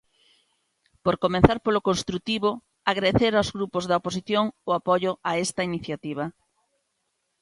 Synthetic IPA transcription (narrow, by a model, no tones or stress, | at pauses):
poɾkomẽnθaɾpolokonst̪ɾut̪iβo | aɣɾaeθeɾawzɣɾupozðaoposiθjoŋʊapoʎʊaest̪ɐiniθjat̪iβ̞ɐ